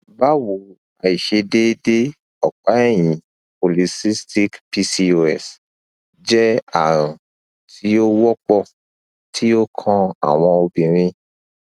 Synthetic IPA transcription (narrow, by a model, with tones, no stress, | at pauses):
ba˦wu˨ | a˨i˨ʃe˧de˦de˦ | ɔ˨k͡pa˨˦ɛ˦˨j̃ĩ˨ | po˨li˨˧si˦sti˦kpi˧si˧o˦˧ɛ˦˨s | d͡ʒɛ˦a̰˨ɾ̃ã˨ | tʰi˨˦o˦wɔ˦k͡pɔ˦˨ | tʰi˦o˦kʰã˧a̰˨w̃ɔ̃˧o˧bĩ˨ɾ̃ĩ˧